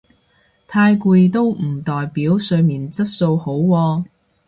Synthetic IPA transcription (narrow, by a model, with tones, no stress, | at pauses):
t̪ʰaː˧jkuː˧jt̪o˥wm̩˨˩t̪ɔː˨jpiː˨˥wsɵ˧miː˨nt͡sɐ˥t̚so˧who˨˥wwɔː˧